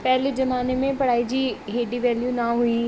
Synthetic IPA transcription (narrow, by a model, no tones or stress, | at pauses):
pɛɦlezɐmaːnemẽpɐɽaːid͡ʒiːɦeːɖiʋɛːljunaɦui